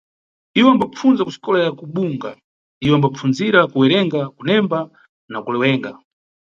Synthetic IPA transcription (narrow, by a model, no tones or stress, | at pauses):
iwɛambap͡fund͡zakusi̥kɔlajakuɓuŋɡa̰ | iwɛambap͡funziɾakuwɛɾɛŋɡakunɛmba | nakulɛwɛːŋɡa